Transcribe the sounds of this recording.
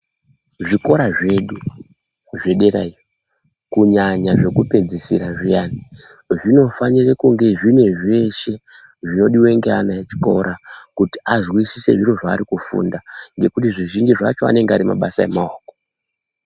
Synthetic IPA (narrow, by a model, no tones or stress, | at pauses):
ʐiko̞ɾaʐe̞ɗu | ʐe̞ɗe̞ɾa̰i | kuɲaɲaʐe̞kupe̞d͡zisiɾaʐijani | ʐino̞fanirekuŋɡe̞ʐine̞ʐe̞ʃe̞ | ʐino̞ɗiwe̞ŋɡeanaet͡ʃi̥ko̞̰ɾʔakuti̥aʐwisise̞̰ʐinoʐaːɾikufṵndaŋɡe̞kutiʐiʒind͡ʒiʐa̰t͡ʃo̞a̰ne̞ŋɡeaɾima̰ɓasae̞̰maoːko̥